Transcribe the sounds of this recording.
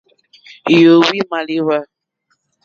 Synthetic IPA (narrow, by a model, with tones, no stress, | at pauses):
jo˨wi˦ma˨li˦βa˦